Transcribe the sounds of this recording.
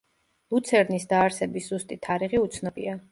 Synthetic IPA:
lˠut̪sʰɛɾnisd̪aːɾsɛbisz̥ust̪ʼit̪ʰaɾiʁiut̪sʰnɔbḭa

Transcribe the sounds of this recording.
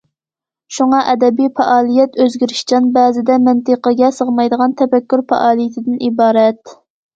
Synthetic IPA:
ʃuŋɑʔɛd̪ɛbijfɛʔɑːlˠijɛt̪øzɡʲiɾɪʃt͡ʃɑnbæːzɪd̪ɛmɪnt̪əqəɡʲɛsəʁmɑjd̪əʁɑnt̪ʰɛfɛkʲːyɾfɛ̰ʔɑːlˠijit̪ʰɪd̪ɪnʔibɑːɾɛt̪

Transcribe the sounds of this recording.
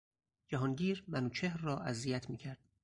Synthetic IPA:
d͡ʒæɦɒnɟiːɾmænuːt͡ʃʰehɾːɒːʔæzijæt̪ʰmiːcʰæɾd̪̥

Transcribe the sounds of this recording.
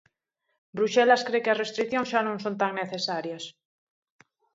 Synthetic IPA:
bɾuʃɛlaskɾekeɐzrest̪ɾikθjõŋsʃanõŋsõnt̪aŋneθesaɾjɐs

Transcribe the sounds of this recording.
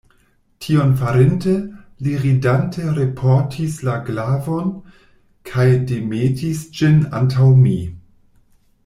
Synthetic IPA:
tʰio̞nfaɾente | liʁidantʰeɾepʰoɾtʰislaɡlavo̞n | kʰajdemetisd͡ʒina̰ntʰawmi

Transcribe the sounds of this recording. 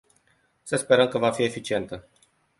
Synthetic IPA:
səspe̞ɾəmkəvafie̞fit͡ʃie̞nt̪ə

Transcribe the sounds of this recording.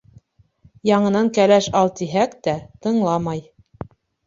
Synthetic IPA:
jɑɴɤ̆nɑŋkælæʃɑlˠt̪iɦækt̪æt̪ɤ̆ɴlˠɑmɑj

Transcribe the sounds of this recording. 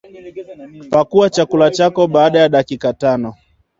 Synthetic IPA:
pakuwat͡ʃakulat͡ʃakɔɓaːɗajaɗakikatanɔ

